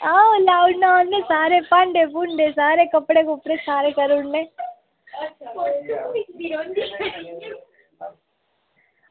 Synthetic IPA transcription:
alaːʊɖnanːẽsaːɾepɐɳɖebʊɳɖesaːɾekɐpːɽekʊpɽesaːɾekɐɾuɳnẽ

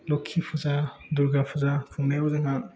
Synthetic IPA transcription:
lɔkʰːipʰɯzaduɾɡapʰuzapʰuŋnajɔzaŋan

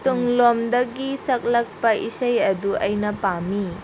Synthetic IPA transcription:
tuŋlomdɐɡisɐk̚lɐk̚pɐʔisɐjɐduɐjnɐpami

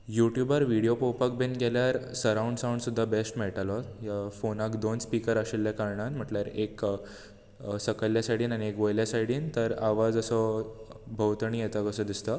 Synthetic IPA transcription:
juʈjubəɾʋiɽijopowpək̚benɡʱeljaɾsəɾawɳɖsawɳɖsud̪ʱːabesʈmeɭʈalɔjafonakd̪onspikəɾaɕelːjakaɾɳanm̤əʈljaɾek | səkəljasaʈiːnañiekʋəjljasaʈiːnt̪əɾaʋad͡zəsɔ | bʱəwt̪ɳiːjet̪akəsəd̪ist̪ə

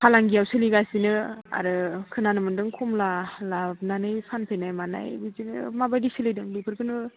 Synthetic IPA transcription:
pʰalaŋɡijawsɯliɡasinɯa̰ɾɯkʰɯnanɯmɯndɯŋkʰɔmlalab̚nanɯjpʰanpʰejnajmana̰jbizinɯ̰mabajdisilɯjdɯŋlupʰɯɾkʰɯnɯ

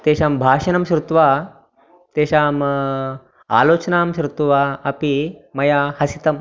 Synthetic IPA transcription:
t̪eːɕaːmbʱaːʂɐnɐmɕɾut̪ʋa | t̪eːɕaːm | a̰ːloːt͡ʃnaːmɕɾut̪ʋaːɐpimɐjaːhɐsit̪ɐm

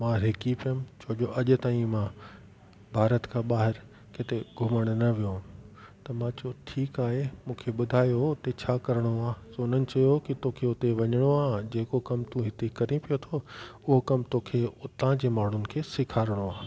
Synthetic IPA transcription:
mãːɾekipiʊmt͡ɕʰoːʄoʔɐʄʊ̆t̪aːĩmãː | bʱaːɾət̪kʰãːɓaːɦɪɾ | kɪt̪eɡʱʊməɽ̃nɐʋijot̪ɐmãːt͡ɕoʈʰiːkaːɦemũːkʰeɓʊd̪ʱaːjoʊt̪et͡ɕʰaːkɐɾəɽ̃oaːsoʊnənɪ̆t͡ɕɐjokit̪oːkʰeʊt̪eʋɐɲəɽ̃oaːɦd͡ʑeːkokɐmt̪ũɦɪt̪ekɐɾĩpijot̪ʰoʊɦokɐmt̪oːkʰeʊt̪ãd͡ʑeːmaːɳ̤ʊnɪ̆kʰeːsɪkʰaːɾɪɽ̃oaː

